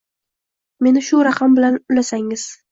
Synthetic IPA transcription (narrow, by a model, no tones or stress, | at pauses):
me̞nɪʃʊɾaqʰɑmbɪlanʊlasaŋɪz̥